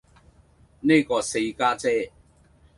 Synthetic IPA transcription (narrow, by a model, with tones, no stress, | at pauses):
neː˥kɔː˧se˧jkaː˥t͡sɛː˥˩